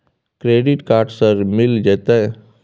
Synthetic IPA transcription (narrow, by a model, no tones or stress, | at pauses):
kɾeːɖɪʈkaːɾʈsəɾmɪld͡ʒeːt̪aɛ